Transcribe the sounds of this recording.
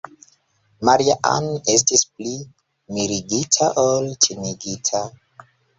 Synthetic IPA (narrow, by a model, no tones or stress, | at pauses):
maɾiaʔa̰ne̞s̬tisp̚li | miɾiɡitʰaʔoltʰiniɡitʰa